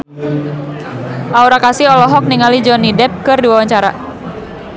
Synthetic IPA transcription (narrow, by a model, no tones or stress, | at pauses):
ʔauɾakasiɔlɔɦɔk̚niŋalid͡ʒɔnidɛp̚kɨrdiwawaɲt͡ʃaɾa̰